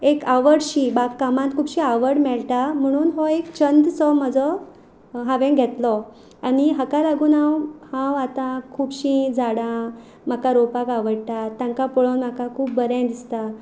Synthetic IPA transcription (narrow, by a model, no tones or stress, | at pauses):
ekaʋəɽɕiːbakːamãt̪kʰuːpɕiːaʋəɽmɛɭʈ̪am̤əɽ̃uːnɦɔekt͡ɕənd̪sɔm̤əd͡zɔ | ɦãʋẽŋɡʱɛt̪lɔ | aniɦakalaɡũːnawhãwat̪ãkʰuːpɕĩd͡zaɽã | m̤akaɾopakaʋəɽʈ̪at̪ːjãŋkapoɭənm̤akakʰuːp̚bəɾɛ̃d̪ist̪a